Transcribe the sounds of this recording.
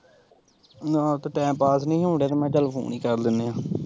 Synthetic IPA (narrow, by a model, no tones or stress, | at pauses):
nãːt̪ːʈɛ̃ːmpaːsnĩːɦõːɳɖeːt̪eːmɛ̃ːʈɛːlpʰo̰ːniːkəɾd̪ɪnːeãː